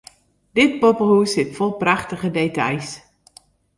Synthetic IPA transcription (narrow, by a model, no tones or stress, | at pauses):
d̥ɪtpopəhuəsɪtfɔlˠpraχtəɣədetɑ̰js